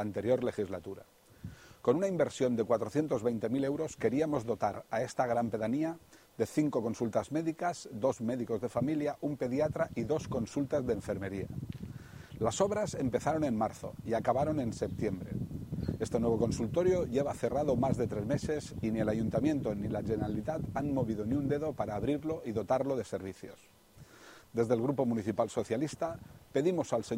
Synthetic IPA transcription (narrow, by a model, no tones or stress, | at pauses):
ant̪e̞ɾjo̞ɾle̞xizlat̪uɾa̰ | ko̞nunaimbe̞ɾsjo̞nd̪ekwat̪ɾoθje̞nt̪o̞zβejnt̪e̞mile̞wɾo̞ske̞ɾiamo̞zðo̞t̪aɾae̞st̪aɣ̞ɾampe̞ðania | ðe̞θiŋko̞ko̞nsult̪azme̞ðikazd̪o̞zme̞ðiko̞zðe̞familjaʔumpe̞ðiat̪ɾaʔiðo̞sko̞nsult̪azðeeɱfe̞ɾmeɾia̰ | laso̞βɾase̞mpe̞θaɾo̞ne̞nmaɾθo̞̰iakaβaɾo̞ne̞nse̞p̚t̪je̞mbɾe̞̰est̪e̞nwe̞βo̞ko̞nsult̪o̞ɾjo̞ʝe̞β̞aθe̞raðomazðet̪ɾezme̞se̞sinie̞laʝunt̪amje̞nt̪onilaʒeneɾalit̪at̪anmo̞βiðo̞niund̪e̞ðo̞paɾaːβɾiɾlo̞ʔiðo̞t̪aɾlo̞ðe̞se̞ɾβ̞iθjo̞̰s | d̪e̞zðelɣ̞ɾupo̞muniθipalso̞θjalist̪ape̞ðimo̞salse